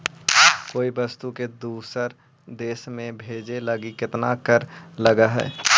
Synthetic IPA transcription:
koːibəst̪uked̪uːsəɾ | d̪eːsmẽbʱeːd͡ʒeləɡikɪt̪nakəɾləɡaɦɛ̰ː

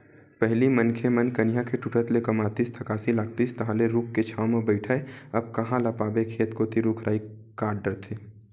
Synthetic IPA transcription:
pɛɦlimənkʰemənkɐnɪjakʰeʈuʈʰət̪lekɐmaːt̪ist̪ʰɐkaːsilaːk̚t̪iːst̪ɐɦãleɾuːkʰːet͡ʃʰaːwmẽbəɪʈʰaːeɐb̚kɐɦãlapaːbekʰeːt̪koːt̪iɾʊkʰɾaːi | kaːɾɖəɾt̪ʰeː

